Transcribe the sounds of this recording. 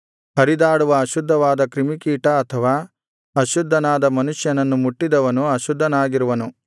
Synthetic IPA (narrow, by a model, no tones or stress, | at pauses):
hɐɾid̪aːɽuʋɐːʃud̪ʱːɐʋaːd̪ɐkɾimikiːʈɐːt̪ʰɐʋaː | ɐʃud̪ʱːɐnaːd̪ɐmɐnuʃjɐnɐnːumuʈːid̪ɐʋɐnuɐʃud̪ʱːɐnaːɡiɾuʋɐnu